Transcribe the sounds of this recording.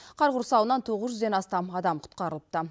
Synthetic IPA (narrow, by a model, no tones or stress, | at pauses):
qʰɑɾʁʊɾsɑwənɑnt̪ʰo̞ʁəzʒʏzd̪e̞nɑst̪ɑmɑd̪ɑmqʰʊ̥t̪qɑɾəlˠəp̚t̪ə